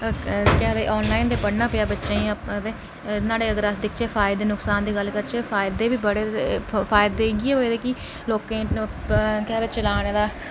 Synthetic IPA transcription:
kɛɦd̪ḛʔɔːnlaːɪnd̪eːpəɽnaːpɪjaːbətːʃãːit̪eː | naːɽeːəɡəɾasd̪ɪkʰt͡ʃeːpʰaːɪd̪eːnʊksaːnd̪iːɡəlkəɾt͡ʃeːfʰaːɪd̪eːbiːbəɽeːpʰaːjɪd̪eːɡeːɦoːeːd̪eːkɪ | loːkẽː | kɛd̪eːt͡ʃəlaːneːd̪aː

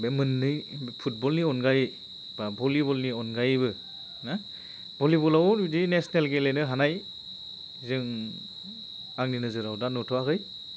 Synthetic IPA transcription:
bemɯnːɯjpʰut̚bɔlniɔnɡaj | babɔlibɔlniɔnɡajbɯ | na | bɔlibɔlawnidinesnelɡelenɯɦanaj | zɯŋ | aŋninɯzɯɾawdanutʰɔakɯj

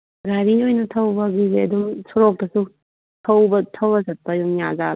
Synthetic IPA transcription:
ɾaɾiojnɐtʰɐwbɐɡizeɐdumsɔɾok̚tɐsu | tʰɐwbɐtʰɐwɐzɐt̚pːɐjumjaza

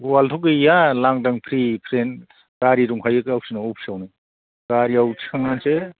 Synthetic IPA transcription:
waltʰukɯjalaŋdaŋpʰɾipʰɾen | kaɾiɾuŋɦʰajɯkawsinaopʰsawni | kaɾiawtʰkʰaŋanse

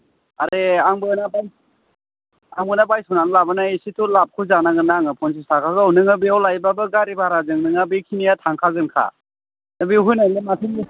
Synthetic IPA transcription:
aɾeaŋbɯnabaj | aŋbɯnabajsunanlabanasitʰulap̚kʰuzanaɡɯnaŋɯpʰɔns̬isakʰaɡɯwnɯŋabiawlajbabɯɡaɾibaɾazɯŋnɯŋabekʰinijatʰaŋkʰaɡɯnkʰa̰ | nɯbiɦunalimatʰini

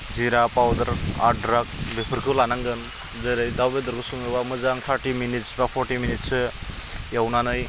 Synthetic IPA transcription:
ziɾapawd̪ɐɾa̰dɾak̚bepʰɯɾkʰɯlanaŋɡɯn | zɯɾɯjd̪awbed̪ɯɾkʰɯsuŋɯbamɯzaŋt̪ʰaɾʈiminitsbapʰɔɾʈiminit̚sɯjawnanɯj

